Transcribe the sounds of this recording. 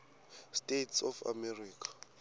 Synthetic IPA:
stʼetsɔfa̰mɛriːkʰḁ

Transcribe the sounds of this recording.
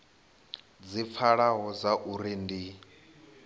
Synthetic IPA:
d͡zip̪fʰaɺaɦɔd͡zaʔuɾindi

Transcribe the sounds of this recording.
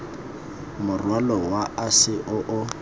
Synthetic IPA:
mʊrwalɔwaasɪʔʊʔʊ

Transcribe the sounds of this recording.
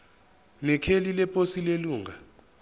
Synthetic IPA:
nɛkʰelilɛpʼosileluːŋa

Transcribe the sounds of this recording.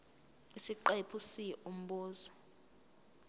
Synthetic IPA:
isiǃepʰusiɛum̩ɓɔːzɔ

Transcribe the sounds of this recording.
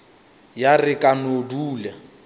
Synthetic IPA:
jarɪkʼanoduːlɛ

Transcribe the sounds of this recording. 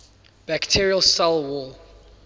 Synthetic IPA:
b̥æktʰiɹiəlsalˠwɔl

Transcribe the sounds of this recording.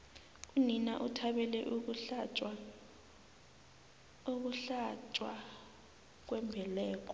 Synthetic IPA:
kʼunina̰ʔutʰaɓɛlɛʔuk̬uɬt͡ʃʼa | ok̬uɬat͡ʃʼwa | k̬wɛmbʱɛlɛːk̬ʼɔ

